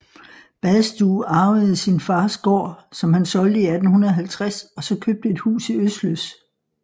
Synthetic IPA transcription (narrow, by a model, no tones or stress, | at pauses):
b̥æðˠsd̥uːɑ̈ːʊð̩ˠsinfɑ̈ːsɡ̥ɒ̰ːsɒ̽mhænsɒ̽ld̥əiæd̥n̩hunɐðˠɦælt͡sʰʁasɒ̽sɒ̽kʰøb̥̚d̥əe̝d̥hṵːsiøsd̥løs